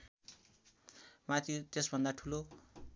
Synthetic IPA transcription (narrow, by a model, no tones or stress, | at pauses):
mat̪ʰit̪esbʱʌnd̪aʈʰulo